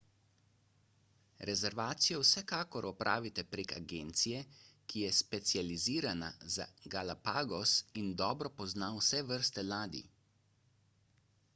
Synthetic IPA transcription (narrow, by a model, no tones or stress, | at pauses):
ɾɛzɛɾʋaːt̪sijɔwsɛkaːkɔɾʔɔpɾʔa̰ːʋit̪ɛpɾeka̰ɡeːnt̪sijɛkijɛspɛt̪sijaliziːɾana̰za̰ɡalapaːɡɔsind̪ɔːbɾɔpɔznawsɛʋəɾst̪ɛlaːd̪ḭ